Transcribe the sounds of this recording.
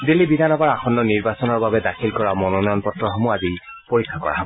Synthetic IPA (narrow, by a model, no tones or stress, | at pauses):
dilːibidʱanɔpaɹaxʰɔnːɔniɹbasɔnɔɹbabɛdakʰilkɔɹamɔnɔnɔjɔnpɔtɹɔɦɔmuazi | poɹikʰːakɔ̰ɹa̰ɦɔbɔ